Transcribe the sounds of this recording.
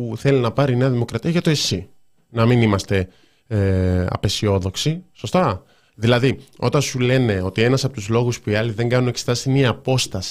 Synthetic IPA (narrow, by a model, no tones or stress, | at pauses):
uθe̞linɐpɐɾine̞ɐðimo̞kɾɐt̪iɐʝɐt̪o̞e̞si | nɐminimɐst̪e̞ | ɐ̰pe̞sio̞ðo̞ksiso̞st̪ɐ | ðilɐðio̞̰t̪ɐnsule̞ne̞o̞t̪ie̞nɐsɐpo̞t̪uzlo̞ɣuspuiɐliðe̞ŋɡɐnune̞ksi̥t̪ɐsiniɐːpo̞st̪ɐsi̥